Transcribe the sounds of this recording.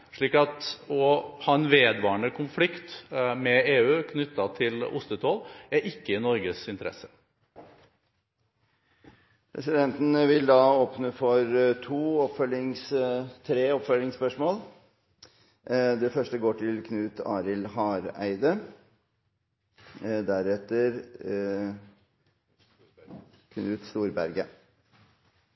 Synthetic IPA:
ʂɭiːkɑt̪ɔhɑːɛnʋeːd̪ʋɑːəɳəkʰʊnflɪkt̪mɛeːʉːkʰnʏt̪ːɑt̪ʰɪlʊ̰st̪ət̪ʰoːlæɾɪkːəɪnɔɾɡəsɪnt̪əɾɛ̰sə̥ | pʰɾɛ̰sɪd̪ɛnt̪n̩ʋɪld̪ɑːoːpnəfɔɾt̪ʰuːɔpfœlɪŋst̪ʰɾeːɔpfœlɪŋspœʂmoːlˠ | d̪ɛfœʂʈəɡoːʈɪlkʰnʉːt̪ɑ̰ːɾɪlɦɑːɾæ̰ɪd̪ə | d̪æɾɛt̪əɾ | kʰnʉːt̪st̪uːɾbæɾɡə

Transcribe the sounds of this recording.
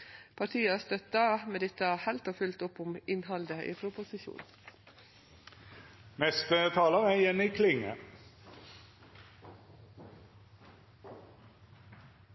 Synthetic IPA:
pʰɑʈʰiːəɑst̪œt̪̚ɑmɛd̪ɪt̪ːəɑhɛlt̪ɑfʉlt̪ʊpːʊmɪnhɑld̪əḭːpʰɾʊpʊsɪʃṵːn | mɛst̪ət̪ʰɑːləʁæjɛnɪkʰlɪŋːə̰

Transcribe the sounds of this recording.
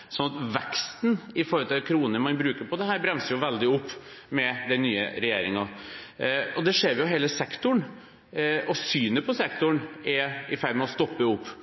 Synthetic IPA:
sɔnɑt̪ʋɛkst̪nɪfɔɾəlt̪ɪkʰɾuːnəmɑnbɾʉːkəɾpʰɔd̪ɛɦæːɾbɾɛmsəjʊʋɛld̪ɪʊpː | mɛd̪ɛnnːyːə̰ɾɛjeːɾɪŋɑ | ɔd̪ɛʂeːɾjʊɦeːləsɛkt̪ʊɳ | ɔsyːnəpʰɔsɛkt̪ʊɳɛɾɪfæɾmɛɔst̪ɔpːəʊpː

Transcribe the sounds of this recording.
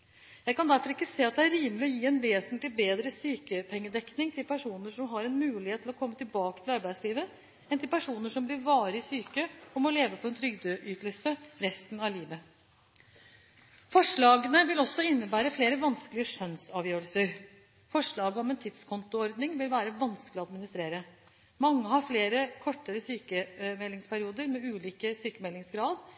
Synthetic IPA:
jæɪkɑnd̪æɾfɔɾɪkːəseːɑt̪̚d̪ɛæɾiːmlɪɔjiːɛnʋeːsənt̪lɪbeːd̪ɾəsyːkəpʰɛŋːəd̪ɛknɪŋt̪ʰɪlpʰæʂuːnəʂɔmɦɑɾɛnmʉːlɪheːt̪ʰːlɔkʰɔmːət̪ɪlbɑːkə̥t̪ʰɪlɑɾbæɪd̪sliːʋə | ɛnt̪ɪlpʰæʂuːnəʂɔmblɪɾʋɑːɾəɪsyːkəɔmɔleːʋəpʰɔɛnt̪ʰɾʏɡd̪øːʔyːt̪əl̩səɾɛst̪nɑʋliːʋə | fɔʂɭɑːɡənəʋɪlɔsːɔɪnːəbæːɾəfleːɾəʋɑnsklɪəʂœnsɑːʋjøːɾəlsəɾ | fɔʂɭɑːɡəɔmɛnt̪ʰɪd̪skʰɔnt̪ʊɔɾd̪nɪŋʋɪlʋæːɾəʋɑnskəlɪɔɑd̪mɪnɪst̪ɾeːɾə | mɑŋːəhɑɾfleːɾəkʰɔʈːəɾəsyːkəmɛlːɪŋspʰæɾɪuːd̪əɾmɛʉːliːkəsyːkəmɛlːɪŋsɡɾɑːd̪

